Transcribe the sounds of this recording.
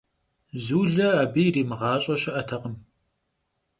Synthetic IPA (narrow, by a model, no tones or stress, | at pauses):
zuːɮɐaːbijriːmɨʁɑːɕʼɐɕɐʔɐtʰɐqəm